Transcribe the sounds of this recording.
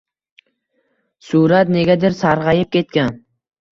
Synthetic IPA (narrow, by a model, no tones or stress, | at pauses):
sʊɾat̪̚ne̞ɡʲad̪ɪɾsaɾʁɑjɪp̚kʲʰe̞t̪̚kʲan